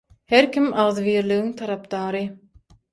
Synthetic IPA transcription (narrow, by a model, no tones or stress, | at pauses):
heɾkʰʲimʔɑʁðβiːɾliɣiŋt̪ʰɑɾɑp̚d̪ɑːɾɯ